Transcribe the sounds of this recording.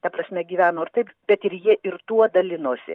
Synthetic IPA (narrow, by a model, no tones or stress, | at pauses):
t̪ɐpɾɐsʲmʲɛɡʲiːʋʲæːnoːɪrt̪ɐɪpbʲɛt̪ɪɾjiɛʔɪɾt̪uɔd̪ɐlʲɪnoːsʲɪ̰